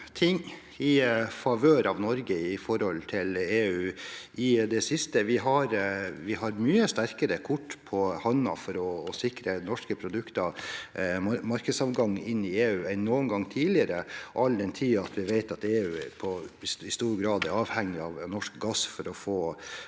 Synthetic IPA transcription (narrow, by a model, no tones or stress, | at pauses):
t̪ʰɪŋː | ɪfɑʋøːɾɑʋnɔɾɡəɪfɔɾɔlt̪ʰɪleːʉːʔɪd̪ɛsɪst̪əʋɪɦɑɾʋɪɦɑɾmyːəst̪æɾkəɾəkʰʊʈːpʰɔhɑnːɑ̰fɔɾɔːsɪkɾənɔʂkəpʰɾʊd̪ʉkt̪ɑ | mɑɾkəsɑʋɡɑŋːɪnːɪeːʉːɛnnuːənɡɑŋːt̪ʰiːlɪəɾəʔɑld̪ɛnt̪ʰiːɑt̪ʰʋɪʋeɪt̪ɑt̪eːʉːpʰɔɪst̪uːɾɡɾɑːd̪ɛɾɑːʋhɛŋːɪɑʋnɔʂkɡɑsfɔɾɔfoː